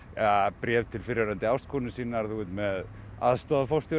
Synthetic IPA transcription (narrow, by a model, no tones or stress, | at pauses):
apɾɛːvt̪ʰɪlfɪɾjaɾant̪ɪawst̪kʰuːnɪsiːnaɾ̥θut̪mɛð | a̰ðst̪ɔːðafowrst̪ɔ